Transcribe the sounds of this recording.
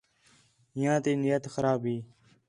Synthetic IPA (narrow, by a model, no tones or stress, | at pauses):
ɦɪjãːt̪eːnɪjət̪xəɾaːbɦiː